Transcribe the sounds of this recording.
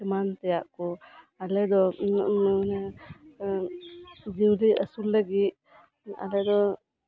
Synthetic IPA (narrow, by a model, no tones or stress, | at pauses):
ɛmant̪ɛjaʔkɔ | alɛd̪ɔ | d͡ʒiwliəsulːəɡit̪̚ | a̰lɛd̪ɔ